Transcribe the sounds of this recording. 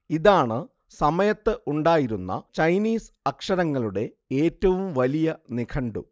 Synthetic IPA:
iðaːɳɨ | sɐmɐjɐt̪ːɨʔuɳɖaːjiɾunːɐ̰t͡ɕɐjniːsɐkʂɐɾɐŋːɐɭuɽe̞ | eːtːɐʋumʋɐlijɐnikʰɐɳɖṵ

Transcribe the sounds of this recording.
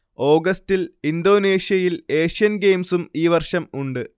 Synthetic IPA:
o̞ːɡɐstilind̪o̞ːneːɕjɐjile̞ːʂijɐnɡe̞ːmsumiːʋɐrʂɐmuɳɖɨ

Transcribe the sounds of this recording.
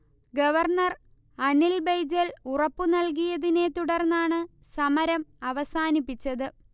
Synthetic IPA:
ɡɐʋɐrɳɐr | ɐnilbejd͡ʑɐlurɐpːunɐlk̬ijɐðine̞t̪uɽɐrnːaːɳɨ | sɐmɐɾɐmɐʋɐsaːnipːit͡ɕːɐðɨ

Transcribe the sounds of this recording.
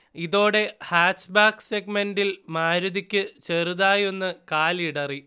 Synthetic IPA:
iðo̞ːɽe̞haːt͡ɕːbaːkseɡ̚mendilmaːɾuðikʲːɨt͡ɕeruðaːjo̞nːɨkaːliɽɐri

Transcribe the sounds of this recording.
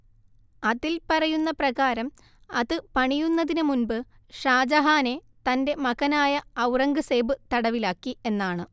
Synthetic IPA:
ɐðilpɐrɐjunːɐprɐɣaːɾɐm | ɐðɨpɐɳijunːɐðinɨmunbɨ | ʂaːd͡ʑɐɦaːne̞ | t̪ɐnde̞mɐɣɐnaːjɐːwrɐŋɡɨseːbɨt̪ɐɽɐʋilaːkːie̞nːaːɳɨ

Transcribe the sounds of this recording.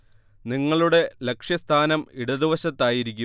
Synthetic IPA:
niŋːɐɭuɽe̞lekʂjɐst̪ʰaːnɐmiɽɐd̪iʋɐɕɐt̪ːaːjiɾikʲːu

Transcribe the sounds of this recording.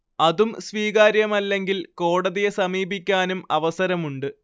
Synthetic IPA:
ɐðumsʋiːɣaːɾjɐmɐlːe̞ŋɡilko̞ːɽɐðijesɐmiːbikʲːaːnumɐʋɐsɐɾɐmuɳɖɨ

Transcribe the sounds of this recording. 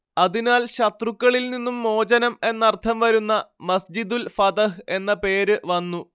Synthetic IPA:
ɐðinaːlɕɐt̪rukːɐɭilninːumːo̞ːd͡ʑɐnɐme̞nːɐrt̪ʰɐmʋɐɾunːɐmɐsd͡ʑid̪ulfɐt̪ɐɦe̞nːɐpe̞ːɾɨʋɐnːu

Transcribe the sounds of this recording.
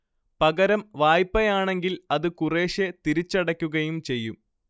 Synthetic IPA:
pɐɡɐɾɐmʋaːjpːɐjaːɳe̞ŋɡilɐðɨkure̞ːʂet̪iɾit͡ɕːɐɽɐkʲːuɣɐjumt͡ɕe̞jːum

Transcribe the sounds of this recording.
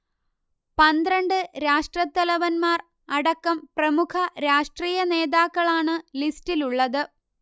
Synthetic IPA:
pɐnd̪rɐɳɖɨɾaːʂʈrɐt̪ːɐlɐʋɐnmaːr | ɐɽɐkːɐmprɐmukʰɐɾaːʂʈriːjɐne̞ːðaːkːɐɭaːɳɨlistiluɭːɐðɨ

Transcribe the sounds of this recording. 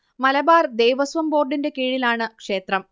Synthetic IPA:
mɐlɐbaːrd̪ejʋɐsʋɐmbo̞ːrɖinde̞kiːɻilaːɳɨkʂe̞ːt̪rɐm

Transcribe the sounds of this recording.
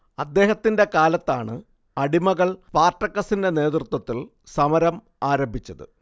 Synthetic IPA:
ɐd̪ːe̞ːɦɐt̪ːinde̞kaːlɐt̪ːaːɳɨ | ɐɽimɐɣɐɭpaːrʈːɐkːɐsinde̞ne̞ːt̪rut̪wɐt̪ːil | sɐmɐɾɐm | aːɾɐmbʱit͡ɕːɐðɨ̰

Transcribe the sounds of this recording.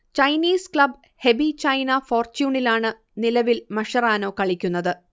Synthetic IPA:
t͡ɕɐjniːskɭɐb | he̞ʋit͡ɕɐjnɐfo̞ːrt͡ɕuːɳilaːɳɨ | nilɐʋilmɐʂɐraːnoːkɐɭikʲːun̪ːɐðɨ

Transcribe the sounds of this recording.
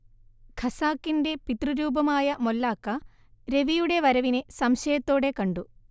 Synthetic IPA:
ɡʰʱɐsaːkːinde̞pit̪ruɾuːbɐmaːjɐmolːaːkːɐ | ɾe̞ʋijuɽe̞ʋɐɾɐʋinesɐmɕɐjɐt̪ːo̞ːɽe̞kɐɳɖu

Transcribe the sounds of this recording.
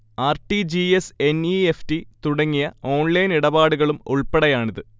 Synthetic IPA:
aːrʈid͡ʑiese̞nieftit̪uɽɐŋːijɐo̞ːnlɐjniɽɐbaːɽuɣɐɭumuɭpeɽɐjaːɳiðɨ

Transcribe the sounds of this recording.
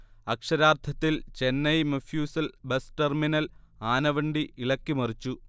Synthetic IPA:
ɐkʂɐɾaːrt̪ʰɐt̪ːilt͡ɕe̞nːɐjmɐfjuːsɐlbesʈerminɐlaːnɐʋɐɳɖiiɭɐkːimɐrit͡ɕːu

